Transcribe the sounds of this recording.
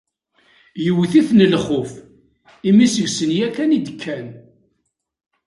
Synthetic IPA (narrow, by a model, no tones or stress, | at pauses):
jəwθiθnəlχʊf | imisəʝsənjækænid̪əkʰːæn